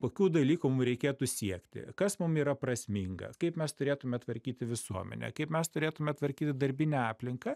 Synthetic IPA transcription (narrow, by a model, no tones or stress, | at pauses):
koːkʲuːd̪ɐlʲiːkʊmʊmɾʲɛɪkʲeːt̪ʊsʲiɛkt̪ʲɪ̰kɐsmʊmiːɾɐprɐsʲmʲɪŋɡɐ̰kɐɪpmʲɛst̪ʊɾʲeːt̪ʊmʲɛt̪ʋɐɾʲkʲiːt̪ʲɪʋʲɪsuɔmʲɛ̰nʲɛ̰kɐɪpmʲɛst̪ʊɾʲeːt̪ʊmʲɛt̪ʋɐrʲkʲiːt̪ʲɪd̪ɐɾʲbʲɪnʲɛɑːpʲlʲɪŋkɐ